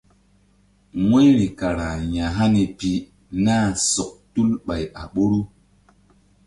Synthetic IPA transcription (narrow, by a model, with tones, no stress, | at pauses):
ŋe˦ɾi˨ka˨ɾa˨ɲa˨ɦa˦ni˨pi˨ | na˦˨so˨k̚tu˦lɓa˨ja˨ɓo˦ɾu˦